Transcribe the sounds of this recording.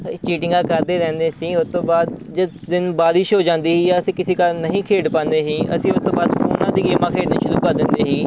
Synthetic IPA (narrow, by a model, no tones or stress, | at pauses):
t͡ʃiːʈɪ̃ŋɡãːkəɾd̪eːɾɛ̃ːnd̪eːsĩːʊst̪õːbaːd̪d͡ʒə | zɪnbaːɾɪʃɦoːd͡ʒãːnd̪iːɦiːjaːəsĩːkɪseːkəɾnəɦĩːkʰeːɽpãːnd̪eːɦĩːə̰sĩːʊst̪õːbaːd̪fʰoːnãːd̪iːɡeːmãːkʰeːɖnĩːʃʊɾuːkəɾd̪ɪnd̪eːɦiː